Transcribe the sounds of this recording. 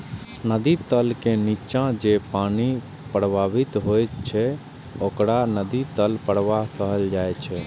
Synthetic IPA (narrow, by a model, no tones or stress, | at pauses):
nəd̪it̪əlkenit͡ʃãd͡ʒepani | pɾəbʱabit̪ɦojt͡ʃʰɛ | okɽanəd̪it̪əlpəɽʋaɦkəɦəld͡ʒajt͡ʃʰɛ